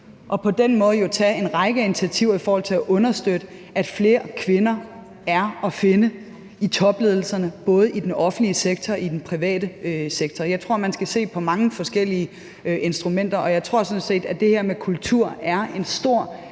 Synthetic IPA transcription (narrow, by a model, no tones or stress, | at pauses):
ʔɒ̽pʰɒ̽d̥enmɔ̽ːð̞̩ˠjo̝t͡sʰɛ̰e̝nʁɑ̈ɪɡ̥əæinit͡sʰiæt͡sʰiʊ̰ɐifɒːhɒ̽l̰t͡sʰe̝æʔɔ̽nɐsd̥ød̥ə | ʔæd̥fle̝ːɐkʰʋe̝nɐ | æɐɒ̽fe̝nə | it͡sʰɒ̽b̥le̝ð̞ˠl̩sɐnəb̥ɔ̽ːð̞̩ˠʔid̥enɒ̽fn̩dliəseɡ̥̚t͡sʰɒidenpʰʁiʋɛ̰ːd̥əøseɡ̥t͡sʰɒjɑɪt͡sʰʁo̝ɐ̰mænsɡ̥æse̝̰ːpʰɒ̽mɑ̈ŋəfɒ̽sɡ̥el̰iə | ʔe̝nsd̥ʁumen̰d̥ɐʔɒ̽jɑ̈ɪt͡sʰʁo̝ɐ̰sɔ̽nse̝̰ːd̥æd̥e̝heɐ̰mekʰult͡sʰuɐ̰æɐe̝nsd̥o̝ɐ̰